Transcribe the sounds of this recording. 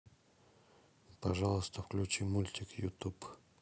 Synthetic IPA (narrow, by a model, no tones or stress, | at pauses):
pɐʐalˠəst̪əfklʲʉt͡ɕimulʲt̪ʲɪkjʊt̪up